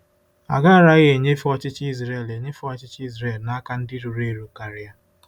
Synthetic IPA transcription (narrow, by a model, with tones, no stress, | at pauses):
a̰˨ɡa˦a˦ɾa˦ɣe˨ɲe˦fɔ˦t͡ʃɪ˦t͡ʃi˦zɾe˦˨le˨ɲe˦fɔ˦t͡ʃɪ˦t͡ʃi˦zɾe˨lna˦ka˦n̩˦dɪ˦ɾu˨ɾe˦ɾu˨ka˨ɾɪ˦ja˦